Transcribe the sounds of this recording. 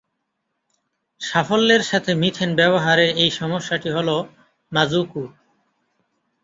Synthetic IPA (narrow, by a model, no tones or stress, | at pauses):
ʃafolːeɾʃat̪ʰemit̪ʰenbɛboɦaɾeɾejʃɔmoʃːaʈiɦolo | mazukuɾ